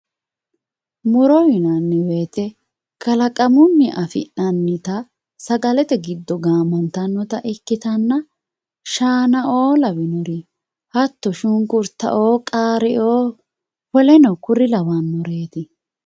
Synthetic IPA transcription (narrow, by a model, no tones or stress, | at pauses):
mʊɾɔwɪnɐnːɛwe̞ːt̪ɛ | kɐlɐkʼɐmʊnːɪʔɐfɪ̰ʔɐnːɪt̪ɐ | sɐɡɐlɛt̪ɛɡɪd̪ːɔɡaːmɐnt̪ɐnːɔt̪ɐʔɪkːɪt̪ɐnːɐ | ʃaːnɐʔoːlɐwɪnɔɾɪ | hɐt̪ːɔʃʊŋkʊɾt̪ːɐ̰ʔoːkʼaːɾɪʔoː | pɔlɛnɔkʊɾɪlɐwɐnmɔɾeːt̪ɪ